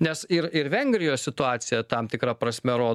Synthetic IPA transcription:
nʲɛsɪɾɪɾʋʲɛŋʲɡɾʲɪjoːsʲsʲɪt̪ʊɑːt̪sʲɪjɛt̪ɐmt̪ʲɪkɾɐpɾɐsʲmʲɛɾoː

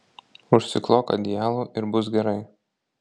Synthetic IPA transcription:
ʊʃʲsʲɪklˠoːkɐ̰d̪ʲɪjæːlˠuːʔɪɾbʊs̬ɡʲɛɾɐɪ

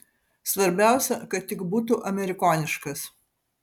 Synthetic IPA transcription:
sʋɐɾʲbʲæˑʊsʲɛkɐt̪ːʲɪkbuːt̪uʔɐmʲɛɾʲɪkɔːnʲɪʃkɐs

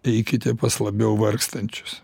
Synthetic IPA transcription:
ɛɪkʲɪt̪ʲɛpɐslˠɐbʲɛʊʋɐrkst̪ɐnʲt͡ʃʲʊ̥s

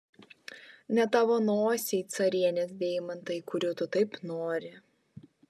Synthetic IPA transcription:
nʲɛt̪ɑʋonoːsʲɛɪt̪sɐɾʲiɛnʲeːs̬ʲd̪ʲeːjmɐnt̪ɐɪkʊɾʲut̪ʊt̪ɐɪpnoːɾʲɪ

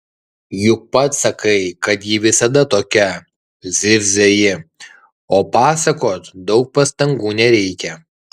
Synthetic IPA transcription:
jʊk̚pɐt̪sɐkɐɪkɐt̪jiʋʲɪsɐd̪ɐt̪oːkʲɛ | zʲɪɾʲzʲejɪ | oːpɑːsɐkoːt̪d̪ɒʊk̚pɐst̪ɐŋɡuːnʲɛɾʲɛɪkʲɛ

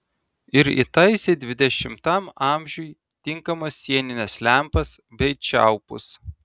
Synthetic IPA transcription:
ɪɾḭt̪ɐɪsʲeɪd̪ʲʋʲɪd̪ʲɛʃʲɪmt̪ɐmɑˑmʲʒʲʊj | t̪ʲɪŋkɐmɐsːʲiɛnʲɪnʲɛslʲæˑmpɐs | bʲɛɪt͡ʃʲæˑʊpʊ̰s

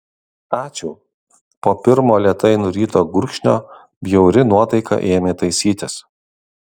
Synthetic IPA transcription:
ɑːt͡ʃʲʊː | poːpʲɪɾmoːlʲiɛt̪ɐɪnʊɾʲiːt̪oːɡʊɾʲkʃʲnʲo̰ː | bʲjɛʊɾʲɪnuɔt̪ɐɪkɐ̰ʔeːmʲeːt̪ɐɪsʲiːt̪ʲɪs

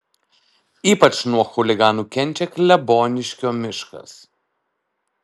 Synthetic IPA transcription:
iːpɐt͡ʃnuɔxʊlʲɪɡɑːnuːkʲɛnʲˑt͡ʃʲɛklʲɛboːnʲɪʃʲkʲoːmʲɪʃkɐ̰s

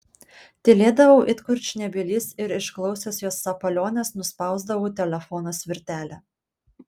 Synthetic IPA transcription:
t̪ʲɪlʲeːd̪ɐʋɐʊʔɪt̪kʊɾʲt͡ʃnʲɛbʲɪlʲɪsɪɾɪʃklˠɒʊsʲoːsjoːsːɐpɐlʲoːnʲɛsnʊspɑˑʊzd̪ɐʋuːt̪ʲɛlʲɛfɔnoːsʲʋʲɪɾʲt̪ʲæːlʲɛ

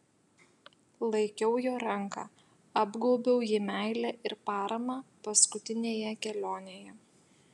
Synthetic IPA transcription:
lˠɐɪkʲɛʊjoːɾɐŋkɑ̰ | ɐbɡoʊbʲɛʊjɪmʲæɪlʲæʔɪɾpɑːɾɐmɑːpɐskʊt̪ʲɪnʲeːjɛkʲɛlʲoːnʲeːjɛ

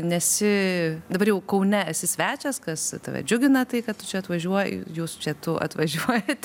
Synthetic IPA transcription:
nʲɛsʲɪd̪ɐbɐrjɛʊkɐʊnʲɛɐsʲɪsʲʋʲæːt͡ʃʲɛskɐst̪ɐ̰ʋʲɛ̰d͡ʒʲʊɡʲɪnɐt̪ɐɪkɐtt̪ʊt͡ʃʲɛɐt̪ʋɐʒʲuɔj̰juːst͡ʃʲɛt̪ʊʔɐ̰t̪ʋɐʒʲuɔjɛt̪ʲ

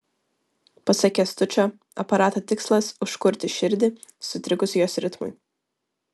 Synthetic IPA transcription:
pɐsɑkʲɛst̪ʊt͡ʃʲoː | ɐpɐɾɑːt̪oːt̪ʲɪkslˠɐsʊʃkʊɾʲt̪ʲɪʃʲɪɾʲd̪ʲɪ | sʊt̪ʲɾʲɪkʊsʲjoːsʲɾʲɪt̪mʊ̰ɪ

